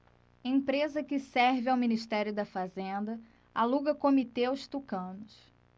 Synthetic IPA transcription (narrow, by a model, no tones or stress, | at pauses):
ẽj̃pɾezɐkɪsɛɾvɪawminiʃt̪ɛɾjʊd̪ɐfazẽnd̪ɐ | aluɡɐkomit̪eʊst̪ukɐ̃nʊs